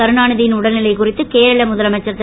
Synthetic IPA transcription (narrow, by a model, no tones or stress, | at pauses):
ɐɾɯnaːɳɐðɪjɪnʊɽɐlɪlɐɪkʊrɪt̪ːɯkeːɾɐɭɐmʊðɐlɐmɐt͡ʃːɐt̪ːɪ